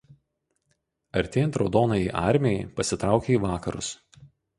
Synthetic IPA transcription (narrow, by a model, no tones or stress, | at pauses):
ɐɾʲt̪ʲeːjɛnt̪ɾɒʊd̪oːnɐiːʔɑˑɾʲmʲɛjɛpɐsʲɪt̪ɾɑˑʊkʲeiːˑʋɑːkɐɾʊ̰s